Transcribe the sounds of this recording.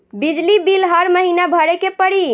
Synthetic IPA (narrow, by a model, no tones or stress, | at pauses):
bid͡ʒlibilɦəɾməɦinabʱəɾekepəɽi